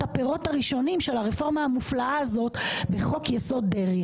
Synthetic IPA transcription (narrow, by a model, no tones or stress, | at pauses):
apeʁo̞taʁiʃo̞nimʃelaʁefo̞ʁmaamuflaʔaːzo̞t̪veχo̞kjeso̞d̪̚ːeʁj